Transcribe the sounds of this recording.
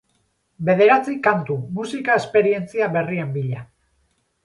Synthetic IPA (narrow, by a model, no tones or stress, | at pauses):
be̞ð̞e̞ɾat͡sikant̪umusikae̞spe̞ɾie̞nt͡siaβe̞rie̞mbiʎa